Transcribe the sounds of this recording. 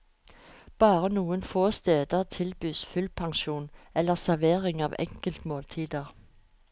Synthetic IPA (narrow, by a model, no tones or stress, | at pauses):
b̥ɑːʁənuːənfoːst̪eːd̪ət̪ʰɪlbyːsfʉlpʰɑŋʃuːnɛləʁsæʁʋeːʁɪŋɑ̰ːʋɛ̰ŋkəlt̪moːlt̪ʰiːd̪əʁ